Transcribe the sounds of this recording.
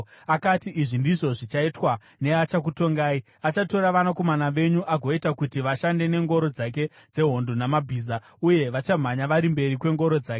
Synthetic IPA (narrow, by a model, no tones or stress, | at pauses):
akatiʔiʐindiʐo̞ʐit͡ʃaitwa | ne̞at͡ʃak̬uto̞ŋɡaːi | at͡ʃato̞ɾaʋanako̞manaʋe̞ɲuʔaɡʱo̞itakutiʋaʃande̞ne̞ŋɡo̞ɾo̞d͡zak̬e̞ | d͡ze̞ɦo̞ndonamabʱiːza | uje̞ʋat͡ʃam̤aɲaʋaɾimbe̞ɾikwe̞ŋɡo̞ɾo̞d͡zaːke